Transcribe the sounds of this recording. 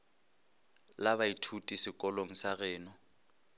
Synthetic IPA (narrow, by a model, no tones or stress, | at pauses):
laβaitʰutʼisɪkʼɔloŋ̩saɣɛːnɔ